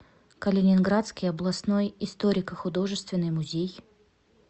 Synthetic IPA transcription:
kəlʲɪnʲɪnɡɾat̪skʲɪjɐblˠɐsno̞jɪst̪oɾʲɪkəxʊd̪o̞ʐɨst̪vʲɪnːɨjmʊzʲej

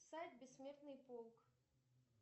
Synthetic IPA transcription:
sajt̪̚ʲbʲɪsʲːmʲert̪nɨjpolˠk

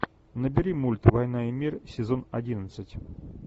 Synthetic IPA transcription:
nəbʲɪɾʲimulʲt̪vɐjnaimʲirsʲɪzo̞nɐdʲinət̪sɨtʲ

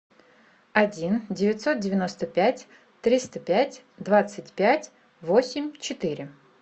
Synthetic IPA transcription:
ɐdʲindʲɪvʲɪt̪ʲso̞t̪̚dʲɪvʲɪno̞st̪əpʲætʲ | t̪ɾʲist̪əpʲætʲ | d̪vat̪sɨt̚ʲpʲætʲ | vo̞sʲɪmʲt͡ɕɪt̪iɾʲɪ

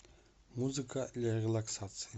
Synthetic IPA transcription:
muzɨkʰalʲarʲelˠaksat̪sɨjɐ

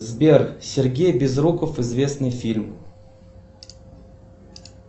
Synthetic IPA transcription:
zbʲerxsʲɪrɡʲejbʲɪzɾukəfɪzvʲe̞snɨjfʲilʲm

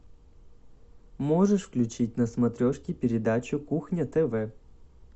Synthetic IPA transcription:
moʐɨʂfklʲʉt͡ɕit̚ʲnəsmɐt̪ɾʲoʂkʲɪpʲɪɾʲɪd̪at͡ɕʊkuxnʲɐt̪ɛvɛ

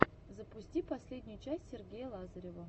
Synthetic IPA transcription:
zəpʊsʲtʲipɐsʲlʲedʲnʲʊjʊt͡ɕæsʲtʲsʲerɡʲejəlˠazəɾʲevə

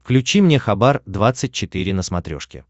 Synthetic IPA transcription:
fklʲʉt͡ɕimnʲexɐbard̪vat̪sɨt̚ʲt͡ɕɪt̪ɨɾʲɪnəsmɐt̪ɾʲo̞̰ʂkʲɪ̰

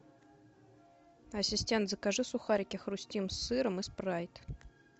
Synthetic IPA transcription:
ɐsʲɪsʲtʲent̪zəkaʐɨsʊxaɾʲɪkʲɪxrʊsʲtʲimsːɨɾəmɨsprajɪt̪

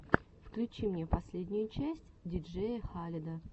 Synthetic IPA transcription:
fklʲʉt͡ɕimnʲepɐsʲlʲedʲnʲʊjʊt͡ɕæsʲtʲdʲɪd͡ʐɛjəxalʲɪd̪ə

